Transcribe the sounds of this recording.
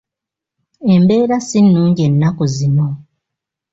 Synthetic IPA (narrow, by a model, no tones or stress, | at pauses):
e̞mbe̞ːɾasinːuːɲɟe̞nːakuzino